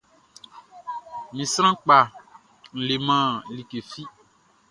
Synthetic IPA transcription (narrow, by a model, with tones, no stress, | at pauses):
mĩ˨sɾ̃ã˦k͡pa˨ | ŋ̩˨le˨mã˦˨li˨ke˨fi˦